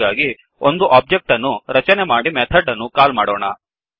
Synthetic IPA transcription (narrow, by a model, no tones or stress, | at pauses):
aːɡi | ond̪uʔaːb̚d͡ʒek̚ʈɐnːuɾɐt͡ʃɐnemaːɽimɛt̪ʰɐɖːɐnːukaːlmaːɽoːɳɐ̰